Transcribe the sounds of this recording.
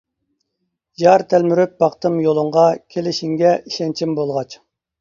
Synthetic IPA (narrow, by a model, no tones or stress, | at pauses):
jɑɾt̪ʰælmyɾyp̚bɑqt̪ɨmjolˠʊɴʁɑkʲʰelɪʃiŋɡʲɛʔiʃɛnt͡ʃʰimbolˠʁɑt͡ʃ